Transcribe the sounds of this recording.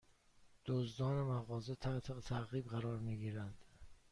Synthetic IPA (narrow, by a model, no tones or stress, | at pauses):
d̪̥ozd̪ɒːnemæɣɒːzet̪ʰæt̪ʰet̪ʰæɣiːbɣæɾɒːɾmiːɡiːɾænd̪̥